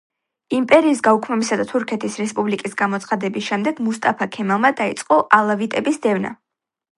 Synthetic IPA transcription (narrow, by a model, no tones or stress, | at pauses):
impʼɛɾiːsɡaukʰmɛbisad̪at̪ʰuɾkʰɛt̪ʰisɾɛspʼublikʼisɡamɔt̪sʰχad̪ɛbisʃɛmd̪ɛɡ̥must̪ʼapʰakʰɛmalˠmad̪ait̪sʼqʼɔʔalˠavit̪ʼɛbisd̪ɛvna̰